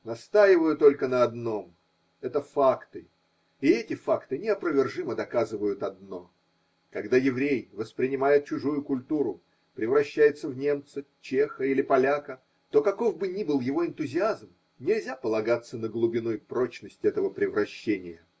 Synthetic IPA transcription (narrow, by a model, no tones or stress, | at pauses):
nɐst̪ajɪvəjʊt̪o̞lʲkənəɐd̪no̞m | ɛt̪əfakt̪ɨ | iɛtʲɪfakt̪ɨnʲɪɐpɾəvʲɪrʐɨməd̪ɐkazɨvəjʊt̪ɐd̪̚no̞ | kɐɡd̪ajɪvɾʲejvəspɾʲɪnʲɪmajɪt̪̚t͡ɕʊʐujʊkʊlʲt̪uɾʊ | pɾʲɪvɾɐɕːæjɪt̪səvnʲe̞mt̪sət͡ɕexəilʲɪpɐlʲakə | t̪o̞kɐko̞vbɨnʲibɨlˠjɪvo̞ɪnt̪ʊzʲɪazm | nʲɪlʲzʲapəlˠɐɡat̪sːənəɡlˠʊbʲɪnujpɾo̞t͡ɕnəsʲtʲɛt̪əvəpɾʲɪvɾɐɕːenʲɪjə